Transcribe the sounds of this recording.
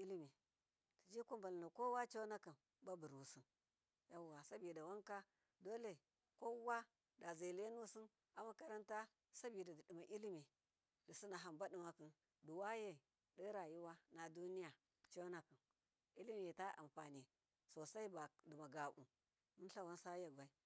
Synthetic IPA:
i˦lmi˨ | ti˨d͡ʒi˦ku˦mba˨lna˨ko˦wa˦t͡ʃa˦na˦ki˨n | ba˦bu˨ɾu˨si˦n | ja˦wa˨sa˦bi˨da˨wa˦ŋka˦ | do˦le˨ | ko˦wa˦ | da˨za˨le˦nu˦si˦n | a˨ma˦ka˦ɾa˦nta˦ | sa˦bi˨da˨ddi˨ma˨ʔi˦li˦mi˨ | di˨si˦na˨ɦa˨mba˦di˨ma˨ki˨n | du˨wa˦je˦˨ | di˦ɾa˨ji˦wa˦na˨du˦ni˦ja˨ | t͡ʃo˦na˦ki˨n | i˦li˦mi˦˨je˨ta˦ʔa̰˨mfa˨ni˨ | so˨sa˦i˦ba˨di˨ma˨ɡa˨bṵ˨ | mu˦ɬa˦wa˦nsa˦ja˨ɡba˨i˦

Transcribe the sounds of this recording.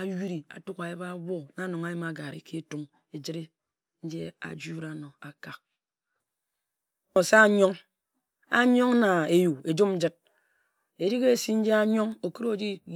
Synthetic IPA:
a˨wi˦ɾi˨a̰˨tu˦ka˨ji˦ba˦wo˦na˨˦no˨ŋa˨˦ji˦ma˨ɡa˨ɾḭ˨ki˦tu˦ŋ | e˨d͡ʒi˦ɾi˦ | n̩˦d͡ʒḛ˦a̰˨d͡ʒu˦ɾa˨no˨a˨ka˨k̚ | o˨sa˦ɲo˦ŋ | a̰˦ɲo˦ŋna˨e˨ju˨e˨d͡ʒo˦mn̩˦d͡ʒɨ˦t̚ | e˨ɾi˦ke˦e˦si˦n̩˦d͡ʒe˦a˦ɲo˦ŋo˨ki˦ɾo˦˨d͡ʒi˦

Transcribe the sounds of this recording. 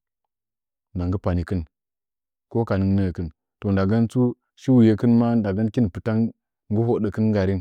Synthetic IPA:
na˨ŋɡə˦pa˨ni˨kə˦n | ko˦ka˨ni˨˦ŋnə˦˨kɨ˦n | to˨nda˨ɡa˦nt͡su˦ | ʃi˦wu˨je˨kə˦nma˦da˨be˦n˦ki˦n˨pɨ˨ta˦ŋ | ŋɡu˦ɦo˨ɗə˨kə˦n˦ɡa˨ɾi˦n

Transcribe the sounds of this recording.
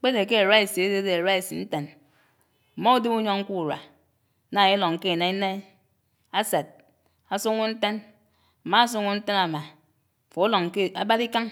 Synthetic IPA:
k͡pe˦de˨ke˦e˨ɾa˦i˨si˨e˦de˦de˨e˨ɾa˦i˨si˨n̩˦te˨n | m̩˨mɔ˦u˦di˦mu˦ɲo˦ŋ̩˦ku˦˨ɾa̰˨ | na˦˨i˦lo˨ŋ̩˨ke˦˨na˦i˦na˦i˦ | a˦sa˨t̚ | a˨su˦ŋu˦n̩˦te˦n | a˨ma˨a˦s̬u˦ŋu˦n̩˦te˦na˨ma˨ | fo˨˦lo˨ŋ˨ke˦a˦ba˦ɾi˦ka˦ŋ

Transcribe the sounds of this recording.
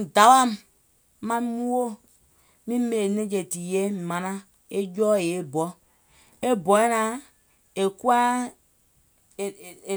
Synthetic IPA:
da˨wa˦m | ma˦mu˦wo˦ | mi˦me˨ne˦d͡ʒe˨ti˨je˦˨ma˨na˦ | e˦d͡ʒɔ˦e˨e˦bɔ˦ | e˦bɔ˨e˦na˨ | e˨ku˦a˦˨

